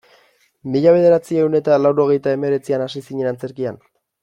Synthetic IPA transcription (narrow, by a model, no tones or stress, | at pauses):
miʎaβ̞e̞ð̞e̞ɾat͡sie̞wne̞t̪alawɾo̞ɣ̞e̞jt̪ae̞me̞ɾe̞t͡sianasisiɲe̞nant͡se̞ɾkia̰n